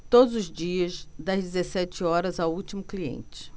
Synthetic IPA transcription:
t̪od̪ʊzʊzd͡ʒiɐsd̪ɐzd͡ʒɪzesɛt͡ʃɪɔɾɐzawuwt͡ʃimʊkliḛ̃nt͡ʃɪ̥

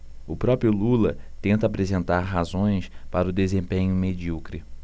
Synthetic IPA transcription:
ʊpɾɔpɾjʊlulɐ | t̪ẽnt̪ɐapɾezẽnt̪aɾɦazõj̃spaɾɐʊd̪ezẽmpẽɲʊmed͡ʒiukɾɪ

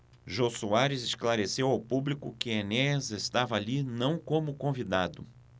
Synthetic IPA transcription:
ʒosuaɾɪzɪsklaɾesewawpublikʊkɪenɛzest̪avɐalinɐ̃w̃kõmʊkõvid̪ad̪ʊ

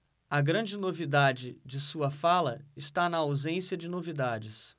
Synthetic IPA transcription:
ɐɡɾɐ̃d͡ʒɪnovid̪ad͡ʒɪd͡ʒɪsuɐfalɐɪst̪anɐawzẽsijɐd͡ʒɪnovid̪ad͡ʒɪs

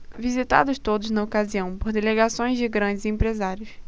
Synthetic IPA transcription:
vizit̪a̰d̪ʊst̪od̪ʊznɐokaziɐ̃w̃poɾd̪eleɡasõj̃zd͡ʒɪɡɾɐ̃d͡ʒɪzẽmpɾezaɾjʊs

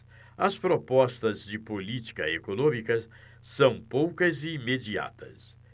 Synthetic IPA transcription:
ɐspɾopɔst̪ɐzd͡ʒɪpolit͡ʃi̥kɐekonõmikɐ | sɐ̃w̃powkɐzɪːmed͡ʒia̰t̪ɐ̰s

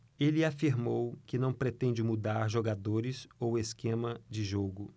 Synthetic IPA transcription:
elɪafiɾmowkɪnɐ̃w̃pɾet̪ẽnd͡ʒɪmud̪aɾʒoɡad̪oɾɪsoweskẽmɐd͡ʒɪʒoɡʊ

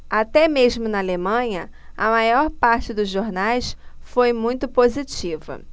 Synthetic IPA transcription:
at̪ɛmeʒmʊnɐalemɐ̃ɲɐ | ɐmajɔɾpaɾt͡ʃɪd̪ʊzʒoɾnajsfojmũj̃t̪ʊpozit͡ʃivɐ̰

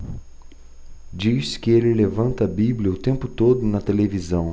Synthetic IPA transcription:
d͡ʒiskɪelɪlevɐ̃nt̪ɐbiblʲjɐʊt̪ẽmpʊt̪od̪ʊnɐt̪elevizɐ̃w̃

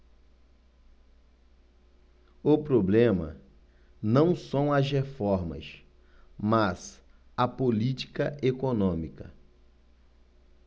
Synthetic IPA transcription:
ʊpɾoblẽmɐ̰ | nɐ̃w̃sɐ̃w̃ɐzɦefɔɾmɐ̰s | maz̥ | ɐpolit͡ʃi̥kɐʔekonõmikɐ

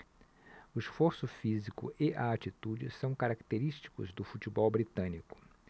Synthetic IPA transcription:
ʊisfoɾsʊfizikʊ̰ʔɪʔaat͡ʃit̪ud͡ʒɪsɐ̃w̃kaɾakt̪eɾiʃt͡ʃi̥kʊ̰zd̪ʊfut͡ʃibɔwbɾit̪ɐ̃nikʊ̥

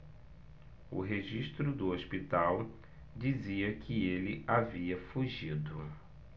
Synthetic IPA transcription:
ʊ̰ɦeʒiʃt̪ɾʊd̪ʊospit̪aw | d͡ʒiziɐkʰɪelɪaviɐfuʒid̪ʊ

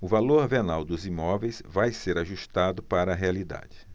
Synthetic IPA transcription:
ʊvaloɾvenawd̪ʊzimɔvejsvajseɾaʒuʃt̪ad̪ʊpaɾɐːɦealid̪a̰d͡ʒɪ

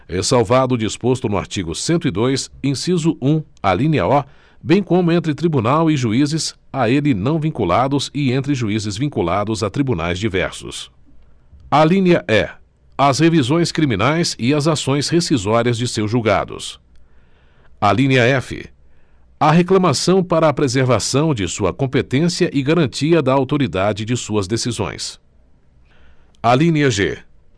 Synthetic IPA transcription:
ɛsawvad̪ʊd͡ʒispost̪ʊnʊa̰ɾt͡ʃiɡʊsẽnt̪ʊid̪ojsẽsizʊʔũ | alĩniɐ̰ɔ | bẽj̃kõmʊẽnt̪ɾɪt̪ɾibunawɪʒuizɪz | aelɪnɐ̃w̃vĩŋkulad̪ʊzɪẽnt̪ɾɪʒuizɪzvĩŋkulad̪ʊzat̪ɾibuna̰jzd͡ʒivɛ̰ɾsʊ̰s | alĩnʲɐʔɛ | ɐshevizõj̃skɾimĩnajsɪɐzasõj̃shesizɔɾiɐzd͡ʒɪsewzʒuwɡa̰d̪ʊ̰s | alĩniɐɛfɪ̰ | ɐɦeklɐ̃masɐ̃w̃paɾɐːpɾezeɾvasɐ̃w̃d͡ʒɪsuɐ̰kõpet̪ẽsiɐʔɪɡaɾɐ̃nt͡ʃiɐd̪ɐawt̪oɾid̪ad͡ʒɪd͡ʒɪsuɐzd̪esizõ̰j̃s | alĩniɐʒḛ

